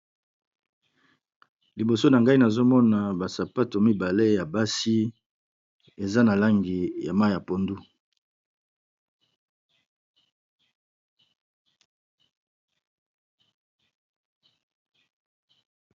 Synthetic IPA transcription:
li˨bo˨so˦na˨ŋɡa˦i˦na˨zo˦mɔ˦na˨ba˨sa˨pa˦to˨mi˦ba˨le˦ja˨ba˦si˦ | e˨za˦na˨la˦ŋɡi˨ja˨ma˦ja˨po˨ndu˦

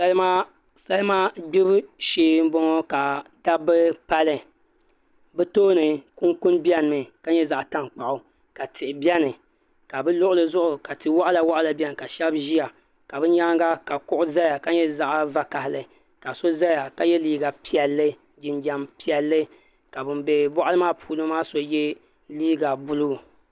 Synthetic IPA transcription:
sa˦lɨ˦maː˦ | sa˦lɨ˦maː˦bi˦bʃeː˦m̩˦bɔ˦ŋɔ˦ka˨da˦bɨ˦pa˦lɨ˨ | bɛ˦toː˦nɨ˨kʊ˦ŋkʊ˦nbi˦ɛ˦n˨mɨ˨ka˦ɲɛ˦za˨ʔta˦ŋk͡pa˨ʔʊ˨ | ka˨tɪ˨ʔɪ˨bjɛ˦nɨ˨ | ka˨bɨ˦lʊ˦ʔʊ˦lɨ˨zʊ˦ʔʊ˨ka˨tɨ˨˦wa˦ʔa˦la˨wa˦ʔa˦la˨bʲɛ˦nɨ˨ka˨ʃɛ˦bʒi˦ja˨ | ka˨bɨ˦ɲa˦ŋɡa˦ka˨kʊ˦ʔʊ˦za˦ja˨ka˦ɲɛ˦za˦˨ʔva˦ka˨hɪ˨lɨ˨ | ka˨so˦za˦ja˨ka˨jɛ˦liː˦ɡa˨pi˦ɛ˨lːɨ˦ | d͡ʒɪ˨nd͡ʒa˨mpi˨ɛ˨lːɨ˦ | ka˨bɨ˨mbe˨bɔ˦ʔa˦lɨ˦maː˦pʰuː˦˨lɨ˦maː˦so˦jɛ˦ | liː˦ɡa˨bʊ˦lu˦˨

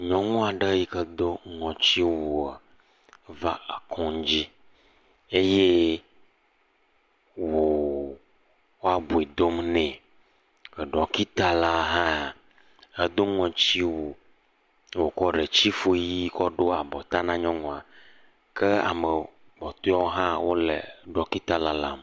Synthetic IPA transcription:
ɲɔ̃˨ŋɔ̃˦a˨ɖə˦ji˦kə˦d̪o˦ŋɔ̃˨t͡ɕi˦wo˨a˨˦ | va˦a˨kʰɔ̃˦d͡ʑi˦ | e˦je˦ | wwo˨ | wo˦a˨bu˨e˨d̪o˦mnɛ̃˨ | e˨ɖɔ˨ki˦t̪a˦la˦ɦã˦˨ | e˦d̪o˦ŋɔ̃˨t͡ɕi˦wo˨ | wo˨kɔ˦ɖe˨t͡ɕi˦fo˦ji˦kɔ˦ɖo˦a˨bɔ˨t̪a˦nã˦ɲɔ̃˦ŋɔ̃˨a˨ | kʰe˦a̰˨mɛ˨ | bɔ˨t̪o˦ɔ˦o˦ɦã˦wo˦lḛ˨ɖɔ˨ki˦t̪a˦la˦la˦m

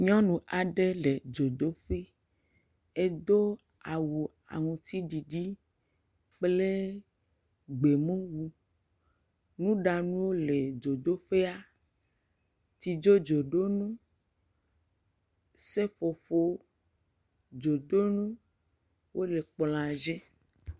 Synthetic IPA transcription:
ɲɔ̃˦nũ˨ʔa˨ɖe˦le˨d͡ʒo˨d̪o˦fi˦ | e˦d̪o˦ | a˨wu˨ | a̰˨ŋũ˨t̪i˦ɖi˨ɖi˦ | k͡ple˦ | ɡ͡be˨mũ˦wu˦ | nũ˦ɖa˨nũ˦wo˦le˨d͡ʒo˨d̪o˦fe˦a˦ | t̪i˨d͡ʒo˦d͡ʒo˨ɖo˦nũ˦ | se˦fo˨fo˦ | d͡ʒo˨d̪o˦nũ˦ | wo˦le˨k͡pl̃ã˨d͡ʒe˦

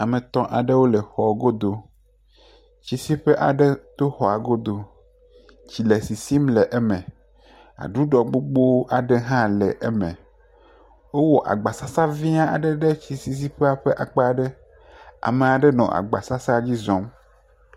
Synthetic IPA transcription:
a˨mẽ˨t̪ɔ̃˦ʔa˨ɖɛ˦wo˦lɛ˨xɔ˨ɡo˦d̪o˨ | t͡ɕi˨si˦ɸɛ˦ʔa̰˨ɖɛ˦t̪o˦xɔ˨a˨ɡo˦d̪o˨ | t͡ɕi˨le˨si˨si˦mlɛ˨ʔɛ˦mẽ˨ | a̰˨ɖu˦ɖɔ˨ɡ͡bo˦ɡ͡bo˦wʔa˨ɖɛ˦ɦã˦lɛ˨ʔɛ˦mɛ̰̃˨ | wo˦wɔ˨ʔa̰˨ɡ͡ba˨sa˦sa˦vi˦a˦a̰˨ɖɛ˦ɖɛ˦t͡ɕi˨si˦s̬i˦ɸe˦a˨ɸɛ˦ʔa˨k͡pa˦˨ɖɛ˦ | a̰˨me˨a˨ɖɛ˦nɔ̰̃˨ʔa̰˨ɡ͡ba̰˨sa˦sa˦d͡ʑi˦zɔ̃˨˦m

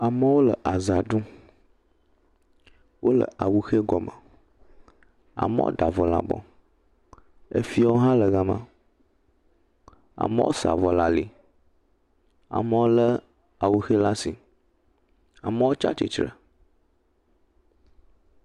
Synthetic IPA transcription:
a˨mə˦wo˦lə˨ʔa˨za˨ɖũ˦ | wʔo˦lə̰˨ʔa˨wu˨xe˦ɡɔ˨mə˨ | a̰˨mə̰̃˦wo̰˦ɖa˨vɔ˨la̰˨bɔ̰˨˦ | ḛ˦fi˦a˦wo˦ɦã˦lə˨ɣa˨mə̰̃˨ | a̰˨mə̰˦wʔo̰˦sa̰˨vɔ˨la˨li˨ | a̰˨mə˦wo˦lə˦ | a˨wu˨xe˦la˦si˨ | a̰˨mə˦wo˦t͡ʃa̰˦t͡ʃḭ˨t͡ʃɾə̰˨

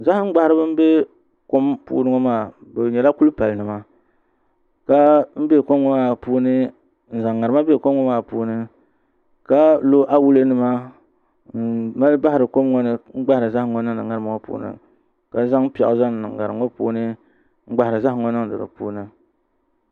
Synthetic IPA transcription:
za˦hŋ͡m̩˦ɡ͡ba˨hɪ˦ɾɨ˦bɨ˦m̩˦be˦ | ko˦mpṵː˦nɨ˦ŋɔ˦maː˨bɨ˨ɲɛ˨la˦ku˦lpa˨lnɨ˨ma˦ | ka˦m̩˦be˦˨ko˦mŋɔ˦maː˦˨puː˦nɨ˦ | n̩˨za˨ŋːa˨ɾɨ˦ma˦be˦˨ko˦mŋɔ˦maː˦˨puː˦nɨ˦ | ka˦lo˦ʔa˦wu˦lɨ˦nɨ˨ma˦˨ | ma˦lba˦hɪ˨ɾɨ˨ko˦mŋɔ˦nɨ˦ŋ͡m̩˦ɡ͡ba˦hɾɨ˨za˦hŋɔ˨nɨ˦ŋnɨ˨ŋa˦ɾɨ˦ma˨ŋɔ˦pṵː˦nɨ̰˨ | ka˨za˦ŋ˦pi˨ɛ˨ʔza˦ŋ˨nɨ˨ŋː˨a˨ɾɨ˨o˦pṵː˦nɨ˦ | ŋ͡m̩˦ɡ͡ba˨hɪ˨ɾɨ˨za˦hŋɔ˦nɨ˦ŋ˨dɨ̰˨ɾɨ̰˨pṵː˦nɨ˦

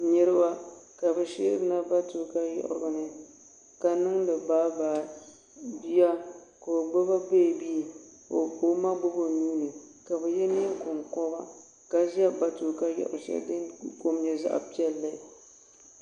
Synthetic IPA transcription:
ɲɛ˦ɾɨ˦ba˦ka˨bɛ˨ʃḛː˦bɨ˨˦na˦ba˦to˨ka˦jɔ̰˦ʔʊ̰˨ɾʊ˨nɨ˨ | ka˨nɨ˦ŋlɨ˨baː˦baː˨ | bi˦ja˦ka˨ʊ˨ɡ͡bo˦ba˦be˦˨bi˦˨ | o˨o˦ma˦ɡ͡bo˦bo˨ɲuː˦nɨ˨ka˨bɛ˨jɛ˦ne˦kʊ˨mkɔ˦ba˦ | ka˨ʒa˦ba˦to˨ka˦jɔ̰˨ʔʊ̰˨ʃa̰˦dɨ˦nko˦mɲɛ˨za̰˦ʔa̰˨pi˦ɛ˦lːɨ˦˨

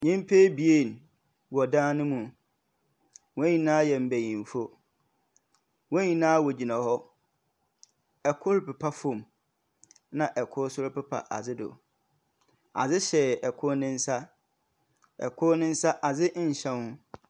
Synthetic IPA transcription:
ɲĩ˦m˦pʰe˦bi˨e˦˨n˨ | wɔ˨dãː˦nʊ̃˦mũ˨ | wɔ̃˦ɲĩ˨nãː˦jɛ˨m̩˨bæ˨jĩ˨m˨fo˦ | wɔ̃˦ɲĩ˨nãː˦wɔ˨d͡ʑi˨nã˨hɔ˦ | ɛ˨kʰʊ˦ɾpɛ˨pʰa˦fõ˨m | nã˨ʔɛ˨kʰʊ˦sʊ˦ɾpɪ˦pʰa̰˨ʔa̰˨zɪ˦dʊ̰˨ | a̰˨d͡zɪ˦ɕɛ˨ɛ˨kʰʊ˦nɪ̃˦n̩˦sa˦ | ɛ̰˨kʰʊ˦nɪ̃˦n̩˦sa˦ʔa˨d͡zɪ˦ʔɲ̩˨ɕã˦nʊ̃˦

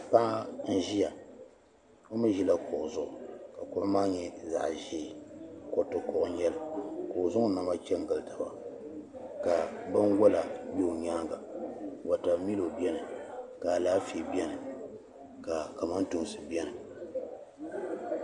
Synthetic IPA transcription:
pa˦ʔa˦n̩˦ʒi˦ja˨ | o˦mɨ˦ʒi˦la˦kʊ˨ʔʊ˨zʊ˦˨ʔʊ˨ka˨ko˦maː˦ɲɛ˨za̰˨ʔʒi˦˨ko˨tɨ˨kɔ˨ʔʊ˦ɲɛ˦lɨ˨kʊ˨ʊ˨zʊ˦ŋ˦na˨ma˦t͡ʃɛ˦ŋ˦ɡɨ˨lta˨ba˨ | ka˨bɨ˦nwo˦la˨jo˦˨ɲaː˦ɡa˨wa˨ta˨mi˦lo˨bɛ˦nɨ˨ka˨laː˦fi˨bi˦ɛ˦nɨ˨ | ka˨ka˨ma˦n˦tu˨m˨sɨ˨bɛ˦nɨ˨

